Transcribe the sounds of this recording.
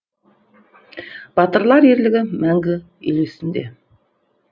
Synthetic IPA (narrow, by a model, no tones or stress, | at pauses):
b̥ɑt̪əɾlˠɑɾe̞ɾlɪɡʲɪmæŋɡʲɪ | elesɪnd̪e̞̰